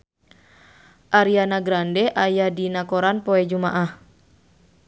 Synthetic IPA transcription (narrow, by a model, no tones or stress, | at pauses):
ʔaɾianaɡɾandɛʔajahdinakoɾanpɔɛd͡ʒumaʔah